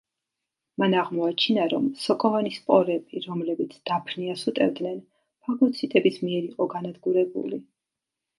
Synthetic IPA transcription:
manaʁmɔat͡ʃʰinaɾɔmsɔkʼɔvanispʼɔɾɛbiɾɔmlɛbit̪sʰd̪̥apʰniasut̪ʼɛvd̪nɛn | pʰaɡɔt̪sʰit̪ʼɛbismiɛɾiqʼɔɡanad̪ɡuɾɛbṵli

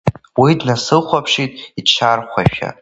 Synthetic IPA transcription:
widnasɨχʷapʰʂitʼit͡ʃʰarχʷaʃᶣa̰

